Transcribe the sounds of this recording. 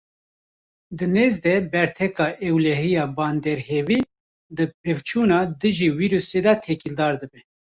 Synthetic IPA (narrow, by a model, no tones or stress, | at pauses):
d̪ɨneːzd̪ɛbɛɾt̪ʰɛkɑːʔɛwlɛɦijɑːbɑːnd̪ɛɾheːviː | d̪ɨpʰevt͡ʃʰuːnɑːd̪ɨʒiːwiːɾuseːd̪ɛt̪ʰɛkild̪ɑːɾd̪ɨbɛ